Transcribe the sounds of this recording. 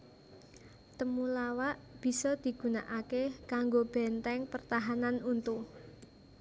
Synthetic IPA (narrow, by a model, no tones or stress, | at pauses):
t̪əmulawaʔb̥i̤sɔd̪̥i̤ɡ̥ṳnaʔakekaŋɡob̥ɛnt̪ɛŋpərt̪aɦananunt̪u